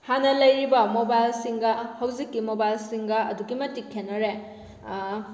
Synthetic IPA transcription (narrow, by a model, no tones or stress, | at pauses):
hanɐlɐjɾibɐmobajlsiŋɡɐhɐwzikːimobajlsiŋɡɐɐ̰duɡimɐtikʰːenːɐɾe